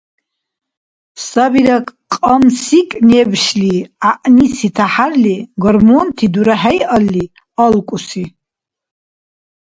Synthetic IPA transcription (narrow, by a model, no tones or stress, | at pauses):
sabiɾakʼqʼamsikʼnɛbʃliaʔnisit̪ʰaħarliɡɔɾmunt̪ʰid̪uɾaɦɛjʔalːi | alkʷʼusi